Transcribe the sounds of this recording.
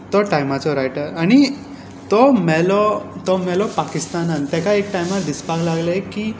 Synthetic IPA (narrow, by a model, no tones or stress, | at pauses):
t̪ɔʈajmat͡sɔɾajʈəɾaɽ̃i | t̪ɔmɛlɔt̪ɔmɛlɔpakist̪anant̪ɛkaekʈajmaɾd̪ispaɡlaɡlaekiː